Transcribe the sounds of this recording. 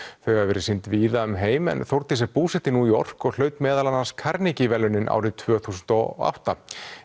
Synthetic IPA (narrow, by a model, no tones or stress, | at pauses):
θœɥɣavvɛːɾɪsint̪viːðaʏmɦeːjmɛ̰nθowɾt̪ɪsɛpuːsɛht̪ɪnuiɔ̰r̥kɔɣl̥œːɥt̪mɛːðalanːanskʰaɾnicɪvɛlːʏnːɪnʔa̰ːwɾɪt̪ʰv̥œːθuːsʏnt̪ɔa̰wht̪a